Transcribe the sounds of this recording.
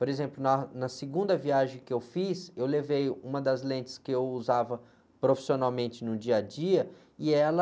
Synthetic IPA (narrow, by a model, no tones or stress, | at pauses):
poɾezẽmplʊnɐnɐseɡũnd̪ɐviaʒẽj̃kɪewfisewlevejũmɐd̪ɐzlẽnt͡ʃɪ̥skɪewuzavɐ | pɾofi̥sionawmẽnt͡ʃɪnʊd͡ʒiɐd͡ʒiɐ | iɛlɐ